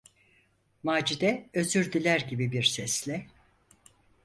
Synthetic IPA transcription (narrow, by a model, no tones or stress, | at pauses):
maːd͡ʒid̪ɛøzyɾd̪ilʲæɾɟibibiɾsɛslʲɛ